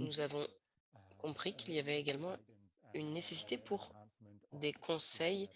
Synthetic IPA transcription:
nuzavɔ̃ | kɔ̃pχikiliavɛeɡalmɑ̃ | ynːesesi̥t̪epuʁ | d̪ekʰɔ̃sɛj

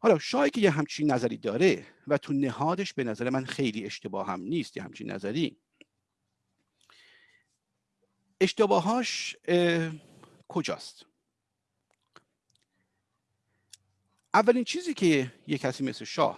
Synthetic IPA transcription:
hɒːlɒːʃɒːjiːcʰejeɦæmt͡ʃʰiːnːæzæɾiːd̪ɒːɾevæt̪ʰunehɒːd̪e̞ʃbe̞næzæɾemænxejliːe̞ʃt̪ebɒːhæ̰mniːst̪jehæ̰mt͡ʃʰḭnːʔæ̰zæɾiː | e̞ʃt̪ebɒːɦɒːʃ | kʰo̞d͡ʒɒ̰ːst̪ | ʔævːæliːnt͡ʃʰiːziːcʰejecʰæsiːmesleʃɒ̰ːh

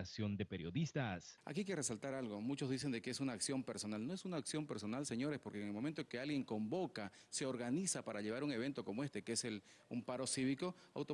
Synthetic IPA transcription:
asjo̞nd̪epeɾjo̞ðist̪asa̰kikere̞salt̪aɾalɣo̞mut͡ʃozðis̬e̞nd̪ekeesunaːksjo̞mpe̞ɾso̞nalno̞esunaːksjo̞mpe̞ɾso̞nalse̞ɲo̞ɾespo̞ɾkeŋelmoment̪oŋke̞alɣje̞ŋko̞mbo̞ka | seo̞ɾɣanisapaɾaʎe̞β̞aɾuŋe̞β̞e̞nt̪o̞ko̞moe̞st̪e̞keese̞l | umpaɾo̞siβikoa̰wt̪o

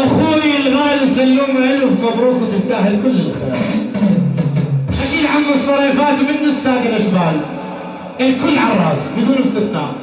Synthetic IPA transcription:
ʔaxuːjɪlɣaːlɪsalːuːmʕɪlwfmabɾuːkwt̪ɪst̪aːhɪlkʊlːɪlʔxḛːɾ | ʔanilʕamʊsˤːɑɾˤiːfaːt̪mɪnːɪsːaːt̪ɪlʔaʃbaːl | ʔɪlkʊlːʕɑrˤɑːsˤbɪd̪uːnɪst̪ɪfqɑ̰ːʕ

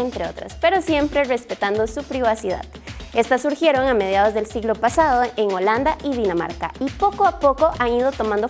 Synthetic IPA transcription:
ent̪ɾe̞o̞̰t̪ɾa̰spe̞ɾo̞sje̞mpɾe̞re̞spe̞t̪and̪o̞supɾiβasiða̰ðe̞st̪asːuɾxje̞ɾo̞ŋame̞ðjað̞o̞zðe̞lsiɣlo̞pasaðoeŋo̞land̪aʔiðinama̰ɾka̰ipo̞koapo̞ko̞ʔaŋiðo̞t̪o̞mãnd̪o

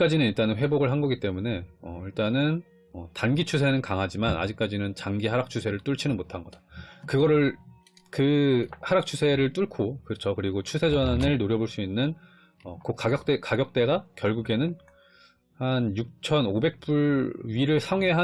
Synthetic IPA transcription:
k͈ad͡ʑinɯniɭt͈anɯnɸweboɡɯɭɦanɡʌɡit͈e̞mune̞ʌiɭt͈anɯn | ʌtanɡit͡ɕʰus̬ʰe̞nɯnkaŋɦad͡ʑimana̰d͡ʑik̚k͈ad͡ʑinɯnt͡ɕaŋɡiɦaɾak̚t͡ɕʰusʰe̞ɾɯɭt͈uɭt͡ɕʰinɯnmotʰanɡʌdḁkɯɡʌɾɯɭ | kɯhaɾak̚t͡ɕʰusʰe̞ɾɯɭt͈uɭkʰokɯt͡ɕʰokɯɾiɡot͡ɕʰusʰe̞d͡ʑʌnanɯɭnoɾjʌboɭs͈uinːɯn | ʌkok͈aɡjʌk̚t͈ekaɡjʌk̚t͈e̞ɡakjʌɭɡuɡe̞nɯn | hanjuk̚t͡ɕʰʌnobe̞k̚p͈uɭɥiɾɯɭsʰaŋe̞ɦa

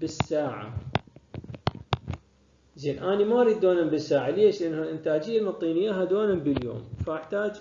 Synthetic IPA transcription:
bɪsːaːʕa̰ | zeːnʔaːnimaʔɾˤiːd̪̚d̪ːoːnambɪsːaːʕaleːʃlʔanːhalʔɪnt̪aːd͡ʒɪjːalmt̪ˤːiːnɪjːaɦad̪oːnambəljo̰ːmfaʔaħt̪aːd͡ʒ

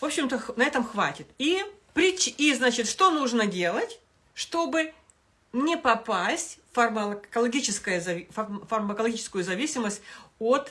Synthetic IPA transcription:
vo̞pɕːɪmt̪əxnɐɛt̪əmxvatʲɪt̪i | pɾʲɪt͡ɕiznat͡ɕɪt̪ʂt̪o̞nuʐnədʲe̞lˠətʲ | ʂt̪o̞bɨ | nʲɪpɐpasʲtʲfɐrməkəlˠɐɡʲit͡ɕɪskəjəzɐffɐrməkəlˠɐɡʲit͡ɕɪ̥skʊjʊzɐvʲisʲɪməsʲtʲot̪

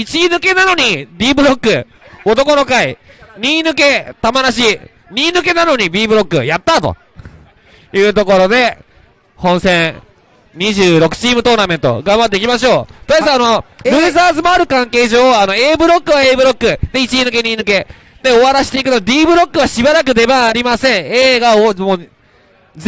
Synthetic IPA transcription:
it͡ɕinɯ̟ke̞nano̞ɲ̟id̪ʲiːbɯ̟ɾo̞kːɯ̟ | o̞t̪o̞ko̞no̞kaiɲ̟ʲiːnɯ̟ke̞t̪amaɾaɕi | ɲʲiːnɯ̟ke̞nano̞ɲ̟ibʲiːbɯ̟ɾo̞kːɯ̟jat̪ːat̪o̞̰ | jɯ̟ːt̪o̞ko̞ɾo̞d̪e̞ | hõ̞ɰ̃sẽ̞ɰ | ɲ̟iʑɨːɾo̞kɯ̟̥t͡ɕiːmɯ̟t̪o̞ːnamẽ̞nt̪o̞̰ɡãmbat̪ːeikʲimaɕo̞ːt̪oasanoɾʲɯ̟ːzaːzɨmaːɾɯ̟kãŋke̞ːʑo̞ːano̞e̞ːbɯ̟ɾo̞kːɯ̟βae̞ːbɯ̟ɾo̞kːɯ̟d̪̥eit͡ɕiinɯ̟ke̞ɲ̟iːnɯ̟k̬e̞ | d̪̥e̞o̞βaɾaɕi̥t̪e̞ikɯ̟t̪od̪ʲiːbɯ̟ɾo̞kːɯ̟βaɕibaɾakɯ̟d̪e̞baːɾʲimasẽ̞ɰeːɡaomoː | z

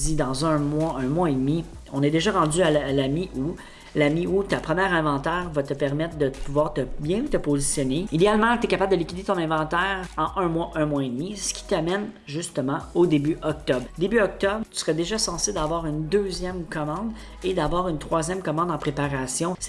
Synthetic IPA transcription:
id̪ɑ̃zœ̃mwaɛ̃mwaed̪mi | ɔ̃nɛd̪eʒaʁɑ̃d͡z̪yalamiu | lamiut̪apχəmjɛːʁɛ̃vɑ̃t̪ɛːʁvat̪əpɛʁmɛt̪χd̪əpuvwaːʁt̪əbjɛ̃ut̪əpozisjɔneid̪ealmɑ̃t̪ɛkapabld̪əlikʲid̪et̪ɔ̃nɛ̃vɑ̃t̪ɛːʁɑ̃ʔœ̃mwaʔœ̃mwaed̪misə̥kʲʰi̥t̪amɛn | ʒyst̪əmɑ̃od̪ebyʔɔk̚t̪ɔbʁd̪ebyɔk̚t̪ɔbʁt̪y̥səʁɛd̪eʒasɑ̃sed̪avwaːʁynd̪øːzjɛmkɔmɑ̃d̪ | ed̪avwaːʁynt̪χwazjɛmkɔmɑ̃d̪ɑ̃pχepaʁasjɔ̃s

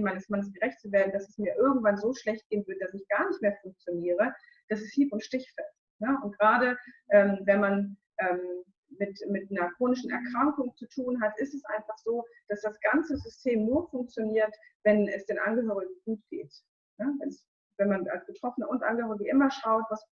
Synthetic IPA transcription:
maɪnəsmanəsɡ̥əʁɛçt̚t͡suveːɐdn̩d̥asɛsmiːɐʔɪɐɡŋ̩tv̥anzoːʃlɛçt̚ɡ̥eːnvʏɐdəd̥asɪçɡ̥aːɐnɪçtmeːɐfʊŋk̚t͡sjoniːʁ̞ə | d̥asɛshiːpʊntʃtɪçfɛlstnəʔʊnt̚ɡ̥əʁaːɾəʔɛːmvɛnman | ʔɛːm | mɪtmɪtnɐkʁ̥oːnɪʃn̩ʔɛ̰ɐkʁ̥aŋkʊŋt͡sutʰuːnɦatʔɪstɛsʔa̰ɪnfaχz̥oːd̥asd̥asɡ̥ant͡səzʏstʰeːmnuːɐfʊŋk̚t͡sjoniːɐt | v̥ɛnɛsd̥eːnʔanɡəɦøːʁɪɡɡ̥uːt̚ɡ̥ḛːt | nəvɛnɛs | vɛnmana̰lsb̥ətʁ̥ɔfənəʊntʔa̰nɡəhøːʁɪɡəʔɪmɐʃaʊtvas

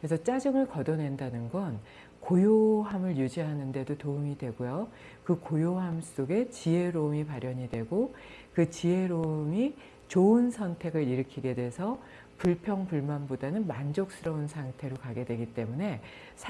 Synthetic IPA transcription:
kɾesʰʌt͡ɕ͈ad͡ʑʌŋɯɭkʌdone̞ndanɯnɡʌn | kojoɦamɯɭjud͡ʑiɦanɯnde̞dotoumidwe̞ɡojo | kɯkojoɦamss͈oɡe̞t͡ɕiɦe̞ɾomipaɾjʌɲidwe̞ɡokɯt͡ɕie̞ɾomi | t͡ɕoɯnsʰʌntʰe̞ɡɯɾiɾɯkʰiɡe̞dwesʰʌ | puɭpʰjʌŋpuɭmanbodanɯnmand͡ʑok̚s͈ɯɾʌunsʰaŋtʰe̞ɾokaɡe̞dwe̞ɡit͈e̞mune̞ | sʰ

